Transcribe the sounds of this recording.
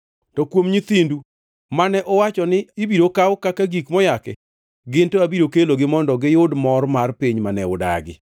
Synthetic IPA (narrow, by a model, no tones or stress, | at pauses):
tɔkwomɲit̪indu | manɛʔɔwat͡ʃɔnɪɪbiɾokawkakaɡikmɔjakɛ | ɡɪntoabiɾokeloɡɪmɔndɔɡɪjʊdmɔrmarpiɲmanɛʊda̰ɡɪ̰